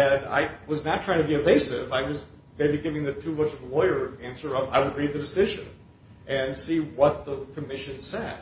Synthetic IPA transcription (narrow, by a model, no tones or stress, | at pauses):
ɨ̃na̰ɪwʌznətʰɹ̥aɪɪ̃ŋtʰɨbiɨveɪsɪvaɪwʌz | meɪbiɡɪvɪ̃ŋðɨtʰumʌt͡ʃʌvðəlɔɪə˞æ̃nsə˞ʌva̰ɪwəd̚ɹeɪd̪̚ðɨdɨsɪʒɨ̃n | ʔɨ̃nsiwʌt̪̚ðəkʰɨmɪʃɨ̃nsɛd̥̚